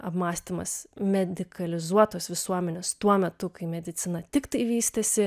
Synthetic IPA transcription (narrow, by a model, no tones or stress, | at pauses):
ɐpmɑːsʲt̪ʲɪmɐ̰smʲɛd̪ʲɪkɐlʲɪzuɔt̪oːsʋʲɪsuɔmʲɛnʲeːst̪uɔmʲɛt̪ʊkɐɪmʲɛd̪ʲɪt̪sʲɪnɐt̪ʲɪkt̪ɐɪʋʲiːst̪ɐsʲɪ